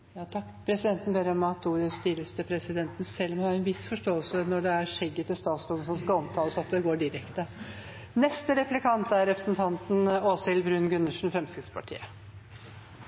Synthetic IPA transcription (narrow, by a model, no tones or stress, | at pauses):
jɑːt̪ʰɑkːpʰɾɛsɪd̪ɛnt̪n̩beɾəmɑt̪ːuːɾəst̪iːləst̪əpʰɾɛsɪd̪ɛnt̪n̩sɛlːɔmɑɾɛnʋɪsfɔʂʈoːəlsənɔɖɛæɾʂɛɡːət̪ɪst̪ɑːt̪sd̪ɔmsɔmskɑɔmt̪ʰɑːləsɑt̪̚d̪ɛɡoːɖɪɾɛkt̪ə | nɛst̪əɾɛplɪkʰɑnt̪æɾɾɛpɾəsnt̪ʰɑnt̪n̩osɪlbɾʉnɡʉnːəʂɳ̩fɾɛmskɾɪt̪spʰɑʈʰḭːə